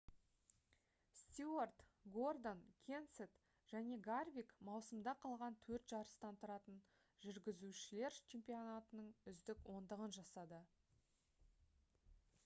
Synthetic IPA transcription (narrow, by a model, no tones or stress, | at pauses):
st̪iort̪ɡo̞rd̪onkʲʰe̞nset̪ | ʒ̥æne̞ɡarvʲikmɑwsəmd̪ɑqʰɑlˠʁɑnt̪ʰɵɾt̪ʒɑɾəst̪ɑnt̪ʰʊɾɑt̪ən | ʒʏɾɡʲɪzuʃɪle̞ɾt͡ʃʰe̞mpʲijo̞nat̪ənəɴʏzd̪ɪkwʔo̞nd̪əʁənʒɑsɑd̪ə